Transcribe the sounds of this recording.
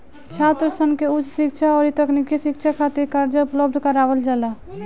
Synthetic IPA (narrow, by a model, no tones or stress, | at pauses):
t͡ʃʰat̪ɾəsənkeʊt͡ʃsɪkt͡ʃʰaɔːɾit̪əknikiʃɪkt͡ʃʰakʰat̪iɾkaɾd͡ʒəʊpləbd̪ʱkəɾaːʋəld͡ʒala